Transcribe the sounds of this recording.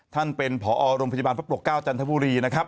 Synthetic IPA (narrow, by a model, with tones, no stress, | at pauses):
t̪ʰa˥˩npe˧npʰɔː˩˦ʔɔː˧ɾo˧mʰa˧jba˧pʰp̚ɾu˨˩kːaː˥˩wt͡ɕa˧nt̪ʰa˦˥buː˧ɾiː˧na˦˥kʰɾa˦˥p̚